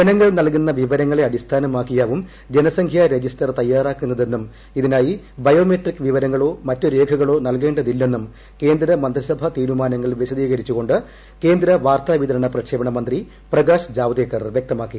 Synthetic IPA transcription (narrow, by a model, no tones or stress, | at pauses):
bɐnɐŋːɐɭnɐlkunːɐʋiʋɐɾɐŋːɐɭeɐɽist̪ʰaːnɐmaːkːijaːʋum | d͡ʑenɐsɐŋkʰjaɾe̞d͡ʑistɐrt̪ɐjːaːraːkːunːɐðe̞nːum | iðinaːji | bɐjo̞ːmeʈrikːʋiʋɐɾɐŋːɐɭo̞ːmɐtːuɾe̞ːkʰɐɣɐɭo̞ːnɐlk̬e̞ːɳɖɐðilːe̞nːum | ke̞ːnd̪ɾɐmɐnd̪risɐbʱɐt̪iːɾumaːnɐŋːɐɭʋiɕɐd̪iːɣɐɾit͡ɕːuɣo̞ɳɖɨ | ke̞ːnd̪ɾɐʋaːrt̪aːʋid̪ɐɾɐɳɐprɐkʂeːbɐɳɐmɐnd̪ri | prɐɡaːʂd͡ʑaːʋd̪eːkːɐrʋjek̚t̪ɐmaːkːi